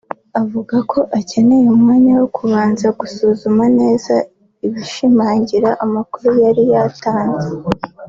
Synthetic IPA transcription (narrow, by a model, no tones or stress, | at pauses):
avuɡakʰo̞ʔace̞ne̞jumŋaːɲawokʰuβaːnzaɡ̥usuzumane̞ːza | iβiʃimaːɲɟiɾaʔamakuɾujaɾijataːnze